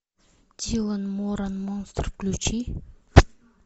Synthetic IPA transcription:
d̪ʲilˠənmoɾanmonst̪rklʲut͡ʃi

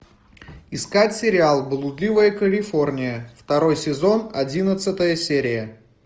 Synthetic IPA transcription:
ɪskatʲsʲɪɾʲɪalˠblˠʊd̪lʲivəjəkəlʲɪfo̞rnʲɪjəft̪ɐɾo̞jsʲɪzo̞nɐdʲinət̪sɨt̪əjəsʲeɾʲɪjə

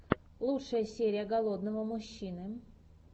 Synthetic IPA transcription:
lˠutʂəjəsʲeɾʲɪjəɡɐlˠod̪nəvəmʊɕːinɨ

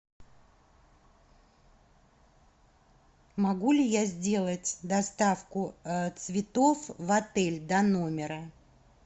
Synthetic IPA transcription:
mɐɡulʲɪjazʲdʲe̞lˠətʲd̪ɐst̪afkʊt̪svʲɪt̪o̞fvɐt̪ɛlʲd̪ɐnomʲɪɾə

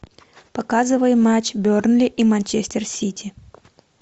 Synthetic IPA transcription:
pɐkazɨvəjmat͡ɕbʲornlʲɪʔimanʲt͡ɕesʲt̪ʲɪrsʲitʲɪ

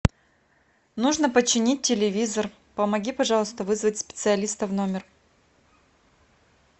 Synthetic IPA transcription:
nuʐnəpət͡ɕːɪnʲit̚ʲtʲːɪlʲɪvʲizər | pəmɐɡʲipɐʐɑlˠəst̪əvɨzvətʲspʲɪ̥t̪sɨɐlʲist̪əvno̞mʲɪr

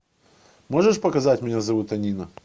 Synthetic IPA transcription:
mo̞ʐəʂpəkɐzatʲmʲɪnʲazɐvut̪ɐnʲinə

